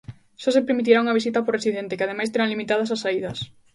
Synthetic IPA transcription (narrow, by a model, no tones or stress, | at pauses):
ʃɔsepeɾmit̪iɾauŋɐβ̞is̬it̪ɐporesiðent̪ɪkɪað̞emajst̪eɾaŋlimit̪aðɐs̬asːaiðɐs